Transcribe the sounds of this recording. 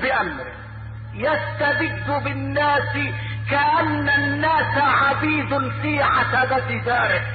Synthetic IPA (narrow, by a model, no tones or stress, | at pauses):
bɪʔamɾɪ | jast̪ad̪ɪd̪ːʊbɪnːaːsɪkaʔanːanːaːsaʕafiːzʊnfiːʕasad̪at̪ɪd̪aːɾɪ